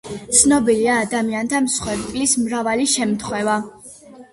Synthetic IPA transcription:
t̪sʰnɔbiliaːd̪amiant̪ʰamsχwɛɾt̪ʼlismɾavaliʃɛmt̪ʰχwɛva

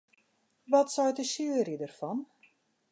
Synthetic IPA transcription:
ʋɔtsɔjtəsyəɾjədərfɔn

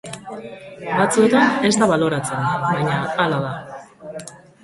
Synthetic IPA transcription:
bat͡sue̞t̪ane̞zt̪aβalo̞ɾat͡se̞nbaɲaalaða

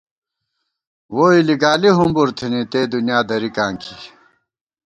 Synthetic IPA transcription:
woːiliɡaːliɦumbuɾt̪ʰinit̪eːd̪unjaːd̪ɐɾikãːŋkʰi

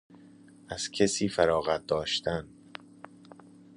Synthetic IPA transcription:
æz̥cʰesiːfæɾɒːɣæt̪̚d̪ɒːʃt̪ʰæn

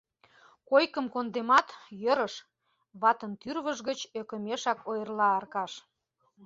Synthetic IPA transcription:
kojkəmkond̪emɑt̪jəɾəʃ | βɑt̪ənt̪yrβəʒɣət͡ɕøkə̆meʃɑkojərlɑːrkɑʃ

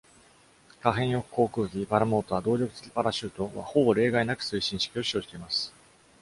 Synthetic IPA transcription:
kaɦẽ̞ɰ̃jo̞kɯ̟̥ko̞ːkɯ̟ːɡʲibaɾamo̞ːt̪o̞βad̪o̞ːɾʲo̞kɯ̟t̪e̥kʲi̥paɾaɕɯːt̪o̞βa̰ho̞bo̞ɾe̞ːɡainakɯ̟̥sɨiɕĩɰ̃ɕi̥kʲio̞ɕio̞ːd͡ʑi̥t̪e̞imasɨ̥

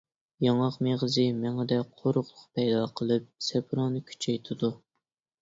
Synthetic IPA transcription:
jɑŋɑqmeʁəzɨmɛŋɛd̪ɛqʰoɾʊχlˠʊqpɛjd̪ɑqʰəlˠɨp̚sɛpɾonɨkʲʰy̥t͡ʃʰɛjt̪ʰɪd̪u

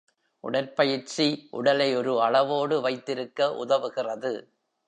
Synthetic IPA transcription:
ʔʊ̰ɽɐɾpɐjɪɾt͡ʃiʔʊ̰ɽɐlɐɪɔɾɯɐɭɐʋoːɽɯʋɐɪt̪ːɪɾɯkːɐʔʊ̰ðɐʋɯɣɪrɐðɯ

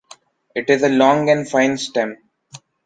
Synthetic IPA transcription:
ɪʈɪzəlɔ̃ːŋɡɛ̃ɳfãɪ̃nsʈɛ̃m

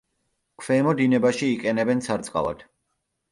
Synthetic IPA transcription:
kʰvɛːmɔd̪inɛbaʃiːqʼɛnɛbɛnt̪sʰaɾt̪sʼqʼa̰va̰d̪̥

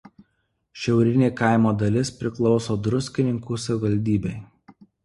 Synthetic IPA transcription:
ʃʲɛʊɾʲɪnʲeːkɑˑɪmoːd̪ɐlʲɪspʲɾʲɪklˠɒʊsoːd̪ɾʊsʲkʲɪnʲɪŋkuːsɐʋʲɪʋɐlʲd̪ʲiːbʲɛɪ

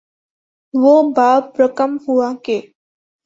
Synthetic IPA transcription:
ʋobaːpɾəkəmhuakeː

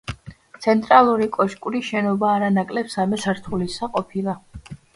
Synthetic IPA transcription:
t̪sʰɛnt̪ʼɾalˠuɾikʼɔʃkʼuɾiʃɛnɔbaːɾanakʼlɛpsamɛsaɾt̪ʰulisaqʼɔpʰilˠa

